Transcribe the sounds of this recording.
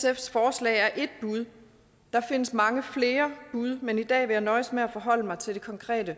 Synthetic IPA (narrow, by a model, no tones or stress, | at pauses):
sefsfɒːslɛ̰ɪæɐʔe̝d̥̚b̥uð̞ˠ | d̥ɑ̈fe̝n̰əsmɑ̈ŋəfle̝ːɐb̥uð̞ˠmenid̥ɛ̰ːʋe̝jɑ̈ɪnɒ̽ɪsmeæfɒɦɒ̽l̰əmɑ̈ɪt͡sʰe̝ld̥e̝kʰɒ̽ŋkʰʁɛ̰ːd̥ə